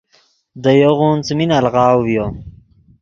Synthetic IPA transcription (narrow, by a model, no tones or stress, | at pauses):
d̪əjoɣunt͡sminalʁɑːwwjo